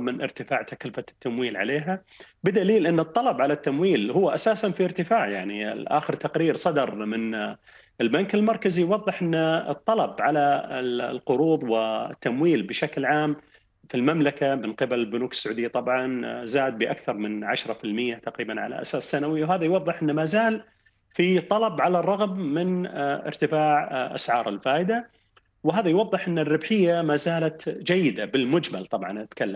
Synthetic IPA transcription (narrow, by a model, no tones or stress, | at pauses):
mɪnʔɪ̰ɾt̪ɪfaːʕt̪aklfat̪ːamwiːlʕa̰leːɦa | bɪd̪aliːlʔɪnːɨt̪ˤːɑlɑbʕalat̪ːamwiːlhʊwːaʔasaːsanfiɪɾt̪ɪfaːʕjaʕniʔa̰ːxɪɾt̪aqɾiːɾsˤɑd̪ɑɾˤmɪn | ɪlbankɪlmɑɾˤkazijwɑðˤːɨħʔɪnːɨ̰t̪ˤːɑlɑbʕalalqʊɾuːðˤwɪt̪ːamwiːlbɪʃaklʕaːm | filmamlakamɪnqɪbalɪlbʊnuːkɪ̥sːʊʕuːd̪ɪjːat̪ˤɑbʕɑnzaːd̪̚bɪʔakθɑɾˤmɪnʕaʃɾˤɑfɪlmɪjːat̪aqɾiːbanʕa̰la̰ʔa̰saːsːanawɪjːawhaːðajwɑðˤːɨħʔɪnːmaːzaːl | fit̪ˤːɑlɑbʕalarˤːɑɣmːɪnʔɪ̰ɾt̪ɪfaːʕʔa̰sʕɑːɾˤɪlfaːʔɪd̪a | wɪɦaːðajwɑðˤːɨħʔɪnːɪrːɪbħɪjːamaːzaːlat̪d͡ʒajːɪd̪abɪlmʊd͡ʒma̰lt̪ˤɑbʕɑnʔat̪kalːam